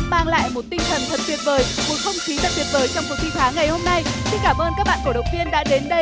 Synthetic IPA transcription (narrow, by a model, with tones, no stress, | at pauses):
maː˧ŋla̰ː˧˨jmo˨˩t̚t̪ï˧ŋt̪ʰə˨˩nt̪ʰə˨˩p̚fi˨˩ət̚vəː˨˩˦jmo˨˩t̚xə˧wŋ͡mxi˨˦t̪a̰ː˧˨jt̪i˨˩ət̚vəː˨˦jt͡ɕɔ˧wŋ͡mku˨˩t̪ʰi˧t̪ʰaː˨˦ŋːa˨˩jho˧mna˧jsi˧ŋkaː˧˩mʔəː˧nkaː˦˥k̚ɓa̰ː˧˨ku˧˩ɗə˨˩w̚ŋ͡m̚t̪vi˧ənɗa̰ː˧˥ɗe˨˦nɗə˧